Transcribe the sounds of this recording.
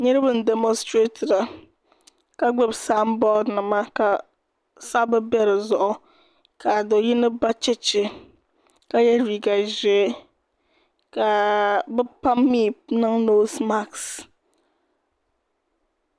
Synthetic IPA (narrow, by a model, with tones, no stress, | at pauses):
ɲɛ˦ɾɨ˦bɨ˦n̩˨dɛ˨mɔ˦nstɾe˦tʰɪ˨ɾa˨ | ka˨ɡ͡bɛ˦bsaː˦m˦bɔ˦dnɨ˨ma˦ka˨ | sa˦bɛ˦bɛ˦ɾɨ˨zʊ˨ʔʊ˨ | kʰa˨do˨ji˦nɨ˦ba˦t͡ʃɪ˦t͡ʃɪ˨ | ka˨jɛ˦ɾiː˨ɡa˨ʒɛ˨˦ | ka˨bɛ˦pa˦mːiː˦˨nɨ˦ŋno˦sma˦ks